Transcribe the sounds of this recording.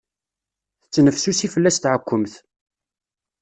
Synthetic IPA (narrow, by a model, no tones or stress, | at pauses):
θt͡sːnəfsusifəlːæst̪ʕəkʷːəmθ